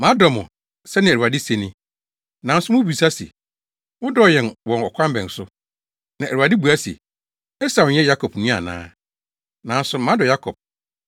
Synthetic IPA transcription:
mã˦dɔ˨mʊ̰̃˨ | sɛ˦nɪ̃˨u˨a˨dɪ˦se˨nɪ̃˦ | nã˨˦n˦sʊ˦mʊ̃˦bu˨sa˦sḛ˨ | wʊ˦dɔ˦˨jɛ̃˨nwɔ̃˨nɔ˨kʷʰã˦m˦bɛ̃˨n˨sʊ˦ | nã˨ʔæ˨u˨a˨dɪ˦bu˨a˦sḛ˨ | ɛ˦sa˨ɲɛ˦ja˦kʰɔ˨pnĩ˦a̰˨nã̰ː˦ | nã˨n̩˦sʊ˨˦mã˦dɔ˨ja˦kʰɔ˨p̚

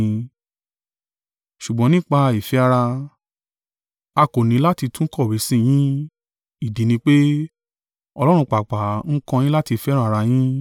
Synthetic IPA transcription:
ʃu˨ɡ͡bɔ̃˨˦nĩ˦k͡pa˧i˨fi˨˦a˦ɾa˧ | a˧ko˨nĩ˨˦la˦ti˧tũ˦kɔ˦˨we˨˦sĩ˦˨j̃ĩ˦ | i˦˨di˨nĩ˧k͡pe˦ | ɔ˧lɔ˦ɾ̃ũ˧k͡pa˨k͡pa˨˦ŋ̩˦kɔ̃˧j̃ĩ˦la˦ti˧fɛ˦ɾa˦˧ɾa˧j̃ĩ˦

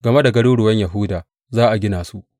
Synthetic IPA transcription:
ɡɐ˨me˦da˨ɡɐ˦ɽuː˦ɽʊ˨wɐ˦ɲja˨ɦʊ˦daː˨ | zaː˦ʔa˨ɡʲɪ˦naː˨su˦ʔ

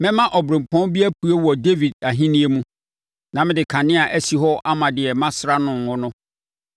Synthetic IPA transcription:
mɪ̃˦mã˦ʔɔ˨bɾẽ˨m̩˨pʰɔ̃˦nbi˦æ˦pʰu˦e˦wɔ˨de˦vi˨d̚a˨ɦĩ˦nĩ˦e˦mũ˦ | nã˨mɪ̃˦dɪ˨kʰã˨nɪ̃˦a˨ʔæ˦si˨ɦɔ˦ʔa˦mã˨dɪ˨ɛ˨mã˦sɾa˦nʊ̃˨ŋ˨hʊ̃˦nʊ̃˦

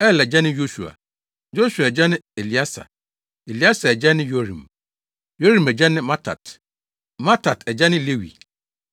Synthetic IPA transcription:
ɛ˦˨lɛ˨d͡ʑɛ˦nɪ̃˦jo˦su˨a̰˨ | jo˦ɕu˨a˨d͡ʑa˦nɪ̃˦e˨li˨a˦sa̰˨ | e˨li˨˦a˦sa˨ɛ˨d͡ʑɛ˦nɪ̃˦jo˦ɾḭ̃˨m | jo˦ɾĩ˨mɛ˨d͡ʑa˦nɪ̃˦mã˦tʰa̰˨t | mã˦tʰa˨tɛ˨d͡ʑa˦nɪ̃˦le˦wḭ˨

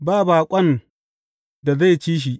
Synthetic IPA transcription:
baː˦˨baː˨kʷʼɐ˦n | da˨za˦˨jt͡ʃiː˦ʃ̬i˨ʔ

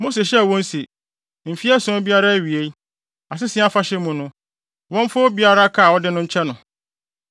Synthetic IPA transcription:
mo˦se˨ɕɛ˦˨wɔ̃˦n˦se˨ | m̩˨fi˦ɛ˦sʊ̃˦bi˦a˦ɾa˦˨ɥi˨e˦ | a˨s̬ɪ˦sɪ˨˦a˦fa˦ɕɛ˦mũ˨nʊ̃˦ | wɔ̃˦m˦fʊ˦bi˦a˦ɾa˦kʰa˦˨ɔ˦dɪ˦nʊ̃˦ɲ̩˦t͡ɕʰɛ˦nʊ̃˨

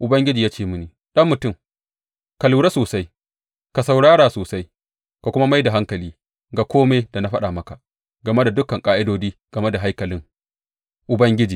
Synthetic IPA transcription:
ʔʊ˨bɐ˦ŋɡʲɪ˦d͡ʒiː˨jaː˦t͡ʃeː˦˨mʊ˦niː˨ | ɗɐ˦mːʊ˨tʊ˦˨m | ka˨luː˨ɽe˦soː˨sa˦j | ka˨sa˨wɽaː˦ɽaː˨soː˨sa˦j | ka˨kʷʊ˦ma˦ma˦jda˨ɦa˦ŋkɐ˨liː˦ | ɡa˨kʷoː˦meː˦da˨na˦ɸɐ˦ɗa˨mɐ˦ka˨ʔ | ɡɐ˨me˦da˨dʊ˦kɐ˨ŋkʼaː˦ʔɪ˦doː˦d͡ʒiː˦ɡ̥ɐ˨me˦da˨ɦa˦jkɐ˨lɪ˦ŋ | ʔʊ˨bɐ˦ŋɡʲɪ˦d͡ʒiː˨

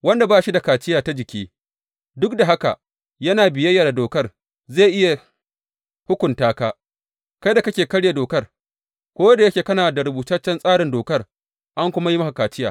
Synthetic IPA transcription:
wɐ˦nda˨baː˦ʃi˦da˨kaː˨t͡ʃɪ˦jaː˨ta˦d͡ʒɪ˨kʲiː˦ | dʊ˦k̚da˨ɦa˦ka̰˨ | jɐ˦naː˨bɪ˨jɐ˦jːaː˨da˨doː˨kɐ˦r | ze˦˨ʔɪ˦ja˨ | hʊ˦kʷʊ˨ntaː˦kaː˦ | kɐ˦jda˨kɐ˦kʲeː˨kɐ˦ɽja˨doː˨kɐ˦r | kʷoː˦wɐ˦da˨jɐ˦kʲeː˨kɐ˦naː˨da˨ɾʊ˨buː˨tɐ˦t͡ʃːɐ˦nsʼaː˦ɾɪ˨ndoː˨kɐ˦r | ʔa˦ŋkʷʊ˦ma˦ji˦mɐ˦ka˨kaː˨t͡ʃɪ˦ja̰ː˨

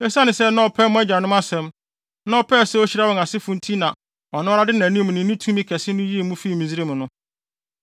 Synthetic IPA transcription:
ɛ˦sa˦nɪ̃˨sɛ˦nã˦ɔ˨pʰɛ˦mʊ̃˦ɛ˦d͡ʑa˨nʊ̃˦ma˦sɛ̃˨˦m | nã˦ɔ˨pʰɛ˦˨sɛ˦ɔ˦ɕi˦ɾa˦wɔ˨na˨sɪ˦fʊ̃˦n˦tʰi˦nã˨ | ɔ˨nʊ̃˦ɾa˦dɪ˦nã˨nũ˦m̃˨nɪ̃˨˦ũ˦tʰũ˦mĩ˦kʰɛ˨sɪ˦nʊ̃˦ji˦e˦˨mũ˦fi˦˨mĩ˨zi˦ɾe˦mʊ̃˨nʊ̃˦

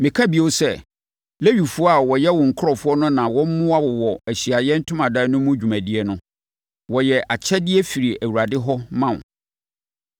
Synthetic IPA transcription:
mɪ̃˨kʰa˦bi˨˦o˦sɛ˦ | le˦ɥi˨fʊ˦ɔ˦a˨wɔ˨jɛ˦wɔ̃˨ŋ̩˨kʰʊ˦ɾɔ˨fʊ˦ɔ˦nʊ̃˦nã˨wɔ̃˦m˦mʊ̃˦a˦wɔ˨wɔ˨æ˨ɕi˨a˨jɛ˦n̩˦tʰʊ̃˦mã˨da˦nʊ̃˦mʊ̃˦d͡ʑᶣu˨mæ̃˨dɪ˦ɛ˦nʊ̃˦ | wɔ˨jɛ˨ʔa˨t͡ɕʰɛ˦dɪ˦ɛ˦fi˨ɾi˨æ˨wu˨ɾa˨dɪ˦ɦɔ˦mã˦˨n˨

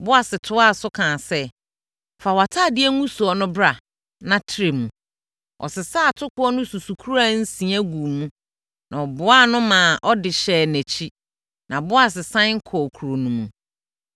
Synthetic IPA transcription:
bʊ˦a˨sɪ˨tʰʊ˦a˦˨sʊ˦kʰãː˨sɛ˦ | fa˨wa˨tʰaː˦˨dɪ˦æ˦ŋũ˦su˨ɔ˨nʊ̃˦bɾa˨ | nã˦tʰi˦ɾe˨mũ˨ | ʔɔ̰˨sɪ˨saː˦˨tʰʊ˦kʰʊ˦ɔ˦nʊ̃˦su˨su˨kʰu˦ɾa˦n̩˦sĩ˨æ˦ɡu˨mũ˦ | nʔã˨ɔ˨bʊ˨a˦nʊ̃˦mãː˨ʔɔ˦dɪ˨ɕɛː˦˨næ̃˨t͡ɕʰi˦ | nã˨bʊ˦a˨s̬ɪ˨sã˦n˦ŋ̩˦kʰɔ˨kʰu˨ɾo˨nũ˨mũ˨

